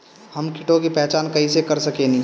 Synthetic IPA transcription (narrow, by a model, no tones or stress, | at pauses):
həmkʰɪʈõkipɛɦt͡ʃaːnkɐisekɐɾsəkenĩ